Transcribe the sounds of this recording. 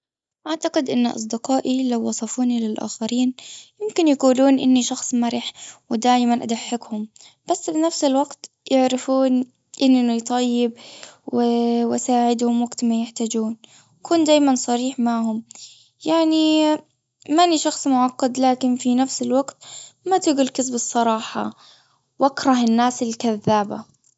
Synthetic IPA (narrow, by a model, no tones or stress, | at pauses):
ʔaʕt̪aqɪd̪ʔɪnːʔɑ̰s̬ˤd̪ɪqɑːʔilawːɑsˤɑfuːnilɪlʔa̰ːxɑɾiːnjɪmkɪnjaquːluːnʔɪnːiʃɑxsˤmaɾɪħwɪd̪aːʔmanʔad̪aħːɪkhʊm | b̥asːbinafsɪlwaɡt̪ | jɪʕɾafuːn | ʔɪnːit̪ˤɑjːɪb̚wɪwʔasaːʕɪd̪hʊmwaɡt̪majɪħt̪aːd͡ʒuːn | kʰuːnd̪aːjmansˤɑɾiːħmaʕɦʊm | jaʕni | maʔnːiʃɑxsˤmʊʕɑqːɑd̪laːkɪnfinafsɪlwaɡt̪mat̪ɪɡʊlkɪsbɨsˤːɑɾˤɑːħɑ̰ | wʔakɾˤɑɦɪnːaːsɪlkaðːaːba̰